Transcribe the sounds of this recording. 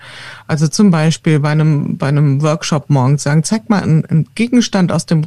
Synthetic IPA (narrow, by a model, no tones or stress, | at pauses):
ʔalzot͡sʊmbaɪʃpiːlbaɪnəmbaɪnəmvœɐkʃɔpmɔɐɡŋ̩sz̥aːɡŋ̩t͡saɪk̚tma̰lnnɡ̥eːɡŋ̩ʃtanta̰ʊsd̥eːm